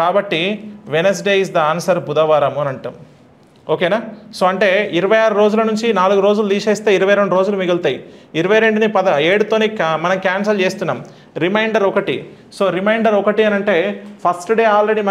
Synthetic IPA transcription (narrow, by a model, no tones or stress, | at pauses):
kaːbɐʈːiʋenɐs̬ɖeːisd̪ɐaːnsɐɾbud̪ɐʋaːɾɐmuɐnɐɳʈu | o̞ːkeːnaːso̞ːɐɳʈe̞ːiɾɐʋɐjaːɾuɾo̞ːd͡ʒulɐnuɲt͡ʃinaːluɡuɾo̞ːd͡ʒululiːʃeːst̪e̞ːiɾɐʋɐjɾe̞ɳɖuɾoːd͡ʒulumiɡɐlt̪aːjiiɾɐʋɐjɾe̞ɳɖunipɐd̪ɐeːɽut̪oːneːkmɐnɐmkaːns̬ɐlt͡ʃe̞ːst̪unːaːm | ɾimɐjɳɖɐɾɔkɐʈḭ | so̞ːɾimɐjɳɖɐɾɔkɐʈiɐnɐɳʈe̞ːpʰɐsʈɖeːaːlɾe̞ɽimɐ